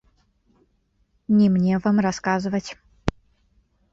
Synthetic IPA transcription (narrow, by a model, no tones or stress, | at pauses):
nʲimnʲevamraskazɨvɐt͡sʲ